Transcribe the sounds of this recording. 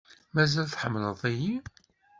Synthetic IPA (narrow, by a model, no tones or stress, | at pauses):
mæzælθħəmːləðˤæji